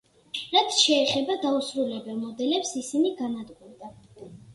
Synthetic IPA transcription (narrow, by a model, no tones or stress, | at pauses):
ɾat̪ʰʃɛːχɛbad̪ausɾulɛbɛlˠmɔd̪ɛlɛpsisiniɡanad̪ɡuɾd̪a